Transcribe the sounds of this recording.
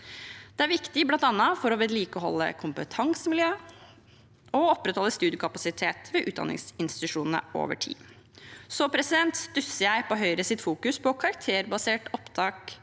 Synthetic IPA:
d̪̥ɛæɾʋɪkt̪ɪblɑnt̪ɑnɑfɔɾɔʋɛd̪liːkɔhɔ̰lːə̰kʰʊmpət̪ʰɑŋsəmɪljøː | ɔɔpːɾət̪hɔlːəst̪ʉːd̪jəkʰɑpɑsɪt̪ʰeːt̪ʋɛʔʉːd̪ɑ̰nɪ̰ŋsɪnst̪ɪ̥t̪ʉʂuːnn̩ə̰ʔo̰ːʋə̰ʈʰḭː | sɔpʰɾɛsɪd̪ɛnt̪sd̪ʉsəæɪpɔɦœʏɾəsɪt̪fuːkʉspʰɔkʰɑɾɑk̚t̪ʰeːɾbɑseːʈɔpt̪ʰɑːk

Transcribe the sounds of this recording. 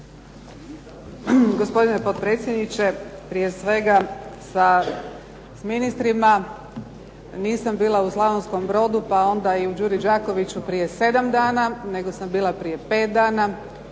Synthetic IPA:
ɡo̞spo̞d̪ine̞po̞t̪pɾe̞t̪sjed̪nit͡ɕepɾije̞sʋe̞ɡasa | sminist̪ɾima | niːsambiːlˠauslˠaʋonsko̞mbɾo̞ːd̪upao̞nd̪aiud͡ʒuːɾid͡ʒaːko̞ʋit͡ɕupɾije̞se̞d̪amd̪aːnane̞ɡo̞sambiːlˠapɾije̞pe̞ːt̪̚d̪aːna

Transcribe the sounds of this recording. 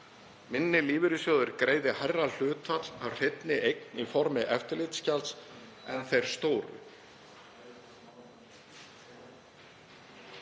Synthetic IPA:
mɪnːɪliːvɪɾʏsjoːwðʏɾkɾeːjðɪhajrːal̥ʏːt̪fat̪l̥awr̥ɪt̪nɪʔejknifɔɾmɪʔɛft̪ɪlɪt̪scals | ɛnθejɾ̥st̪oːwɾʏ̰

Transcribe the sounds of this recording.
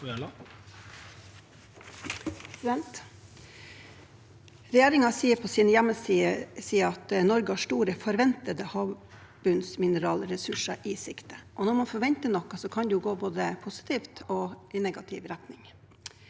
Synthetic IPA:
ɛnt̪ | ɾɛjeːɾɪŋɑsiːəpʰɔsiːnəjæmːəsisiːəɾɑt̪nɔɾɡəhɑʂʈuːɾəfɔɾʋɛnt̪əd̪əhɑː | bʉnsmɪnəɾɑːlɾɛsʉʂəɾʔɪsɪkt̪əʔɔnɔmɑnfɔɾʋɛnt̪əɳɔkːɑsɔkʰɑnd̪ɛjʊɡoːboːd̪əpʰʊsɪ̥t̪ʰɪːft̪ʰoːʔɪnɛɡɑt̪ʰɪ̰ʋɾɛt̪nɪŋ

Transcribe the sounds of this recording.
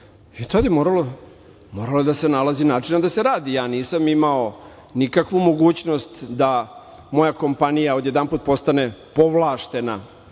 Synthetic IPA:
it̪od̪imoːɾalo | mo̞ːɾalod̪ase̞nalazinaːʈ͡ʂinad̪aseɾaːd̪ijaːniːsamimao | nikakʋumo̞ɡuːt͡ɕno̞st̪d̪a | mo̞jako̞mpanijao̞d̪je̞d̪anput̪̚po̞st̪ane̞po̞ʋlˠaːʃt̪e̞na

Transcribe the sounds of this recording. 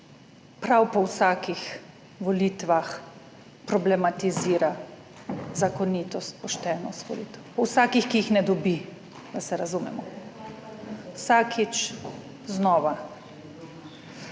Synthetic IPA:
pɾawpɔwsaːkix | ʋɔliːt̪ʋax | pɾɔblɛmat̪iziːɾa | zakɔnit̪ɔst̪̚pɔʃt̪ɛːnɔst̪ʋɔ̰lḭːt̪ɛwpɔwsaːkixkiːxnɛd̪ɔbi | d̪asɛɾazumɛ̰mɔ | wsaːkʰit͡ʃ | znɔːʋa

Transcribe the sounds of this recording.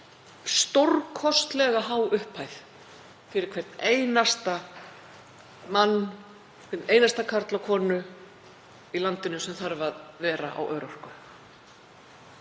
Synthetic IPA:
st̪owɾkʰɔst̪lɛɣaɦaːwʏhpʰajθ | fɪɾɪɾkʰv̥erɾt̪neːjnast̪a | manː | kʰvɛɾt̪neːjnast̪akʰaɾt̪lawkʰɔːnʏ | ilant̪ɪnʏsɛmθaɾvaðvɛːɾa̰ʔa̰wʔœːɾɔr̥kʏ

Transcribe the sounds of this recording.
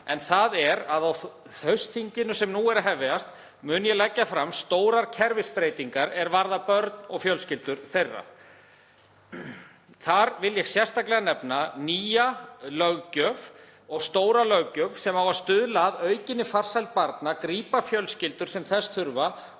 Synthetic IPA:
ɛnθaðɛɾaðaw | θœɥst̪θiɲcɪnʏsɛmnuɛɾaɦɛvɪast̪ | mʏːnjɛlɛcːafɾamst̪oːwɾaɾcʰɛɾvɪspɾeːjt̪iŋkaɾɛɾvaɾðapœɾt̪nɔɣfjœlscɪlt̪ʏɾ̥θejrːa̰ | θaɾvɪljɛɣsjɛrst̪aklɛɣanɛpnaniːjalœɣcœv | ɔɣst̪oːwɾalœɣcœvsɛmawaðst̪ʏðlaːðœːɥcɪnːɪfar̥sajlt̪̚paɾt̪nakɾiːpafjœlscɪlt̪ʏɾ̥sɛmθɛst̪ʰʏɾva

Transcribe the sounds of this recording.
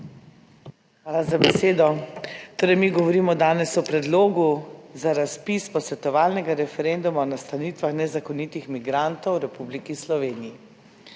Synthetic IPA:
xʋaːlazabɛseːd̪ɔt̪oːɾɛjmiɡɔʋɔɾiːmɔd̪aːnɛsɔpɾɛd̪loːɡuzaɾaspispɔsʋɛt̪ɔʋaːlnɛɡaɾɛfɛɾend̪umaɔnast̪aniːt̪ʋaxnɛzakɔnit̪ixmiɡɾant̪ɔwɾɛpublikislɔʋeːniji

